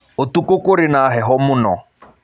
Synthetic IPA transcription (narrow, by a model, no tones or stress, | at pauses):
otukʊkoɾɪnaɦɛɦɔmʊnɔ̰